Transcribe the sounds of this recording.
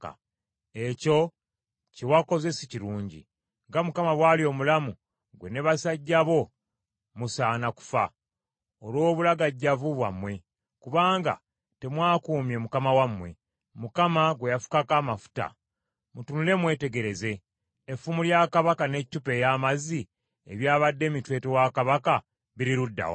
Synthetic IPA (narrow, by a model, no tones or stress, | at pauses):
a̰ | e̞co̞ | cewako̞ze̞se̥ciɾuːɲɟḭ | ŋɡamukamaβwalio̞ːmulamu | ɡwe̞neβasaɟːaβo̞ | musaːnaku̥fa̰ | olwo̞ːβulaɡaɟːavuβwamwe̞ | kuβaːŋɡa̰ | te̞mwaːkuːmje̞mukamawamwe̞ | mukamaɡwe̞jafu̥kakaːmafu̥ta̰ | mutunule̞mwe̞ːte̞ɡe̞ɾe̞ze̞ː | fumuljakaβakane̞cːupe̞jamazi | eβjaːβadːe̞ːmitwe̞ːtewakaβaka | βiɾiɾudːa̰wa̰